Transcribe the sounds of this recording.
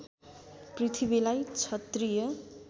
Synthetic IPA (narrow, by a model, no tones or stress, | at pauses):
prit̪ʰiβilajt͡sʰʌt̪rijʌ